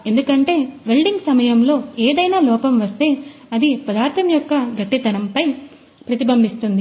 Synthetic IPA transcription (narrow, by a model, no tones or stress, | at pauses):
e̞nd̪ukɐɳʈe̞ːʋe̞lɖiŋɡsɐmɐjɐmlo̞ːeːd̪ɐjnaːlɔːpɐmʋɐst̪e̞ːɐd̪ipɐd̪aːɾt̪ɐmjɔkːɐɡɐʈːit̪ɐɾɐmpɐj | pɾɐt̪ibɐmbʱist̪und̪i